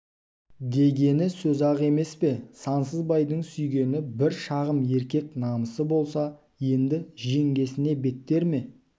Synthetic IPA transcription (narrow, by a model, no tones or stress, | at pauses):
d̪e̞ɡʲe̞nɪsɵzɑʁe̞me̞spe̞sɑnsəzbɑjd̪əɴsʏjɡʲe̞nɪbɪɾʃɑʁəmje̞ɾkʲe̞knɑməsəbo̞lˠsɑ | je̞nd̪ɪʒe̞ŋɡʲe̞sɪne̞be̞t̪ːe̞ɾme̞